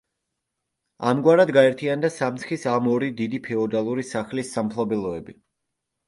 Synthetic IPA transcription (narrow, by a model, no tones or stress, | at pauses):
a̰mɡwaɾad̪ɡaɛɾt̪ʰiand̪asamt̪sχisamɔɾid̪id̪ipʰɛɔd̪alˠuɾisaχlisːampʰlˠɔbɛlˠɔɛbi